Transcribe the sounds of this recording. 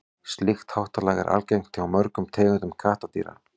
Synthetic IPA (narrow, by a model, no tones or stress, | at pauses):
st̪lɪxt̪hawht̪alaːɣɛ̰ɾʔa̰lcejŋ̥t̪ʰɪawmœɾkʏmt̪ʰɛːɣɪnt̪ʏmkʰaːht̪at̪ḭːɾa̰